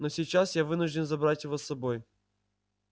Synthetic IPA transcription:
nosʲit͡ɕːasjavɨnʊʐdʲɪnzɐbɾatʲjɪvosːɐboj

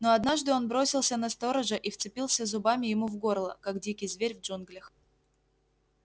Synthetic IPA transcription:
no̞ɐd̪naʐd̪ɨo̞nbɾo̞sʲɪlˠsʲənɐst̪o̞ɾəʐɨʔift̪sɨpʲilˠsʲəzʊbamʲɪjɪmuvɡo̞rlˠəkakdʲikʲɪjzvʲeɾʲvʐunɡlʲɪx

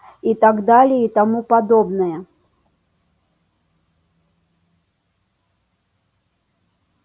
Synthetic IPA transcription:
it̪aɡd̪alʲɪit̪amupɐd̪obnɨjə

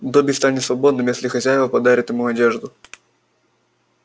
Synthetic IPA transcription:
d̪obʲɪst̪anʲɪtsvɐbo̞d̪nɨmjesʲlʲɪxɐzʲæjɪvəpɐd̪aɾʲɪt̪jɪmuɐdʲeʐd̪ʊ

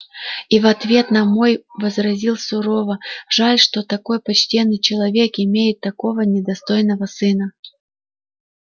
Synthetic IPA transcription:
ivɐt̪vʲe̞t̪nɐmo̞jvəzɾɐzʲilˠsʊɾo̞vəʐalʲʂt̪ot̪ɐko̞jpɐt͡ɕtʲenːɨjt͡ɕɪlˠɐvʲe̞kɪmʲejɪt̪ːɐko̞vənʲɪd̪ɐst̪o̞jnəvəsɨnə

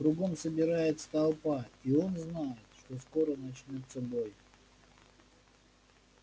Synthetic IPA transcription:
kɾʊɡo̞msəbʲɪɾajɪt̪st̪ɐlˠpaio̞nznajɪt̪ʂt̪o̞sko̞ɾənɐt͡ɕnʲot̪sːəbo̞j

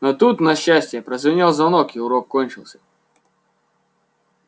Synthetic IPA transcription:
not̪ut̪nɐɕːæsʲtʲɪjəpɾɐzvʲɪnʲalˠzvɐnokɪʊɾokkːonʲt͡ʃɪlˠsʲɐ̥

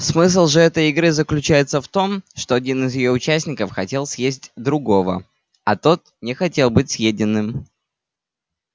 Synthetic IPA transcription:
smɨs̬lˠʐɨɛt̪əjɪɡɾɨzəklʲʉt͡ɕæjɪt̪səft̪o̞mʂt̪oɐdʲinɨzjɪjo̞ʊt͡ɕæsʲnʲɪkəfxɐtʲe̞lˠsʲjezʲtʲd̪ɾʊɡo̞və̰ | ɐt̪o̞t̪ | nʲɪxɐtʲe̞lˠbɨtʲsʲjedʲɪnːɨm

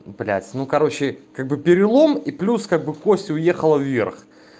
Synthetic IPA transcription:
plʲæ̰tʲnukɐɾo̞t͡ɕɪkaɡ̚bɨpʲɪɾʲɪlˠo̞miplʲuskaɡ̚bɨkosʲtʲʊje̞xəlˠəvːʲe̞rx

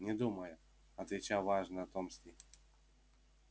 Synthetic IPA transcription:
nʲɛd̪umɐjʊ | ɐt̪vʲɪt͡ɕawvaʐnət̪ɔmsʲt̪ʲi

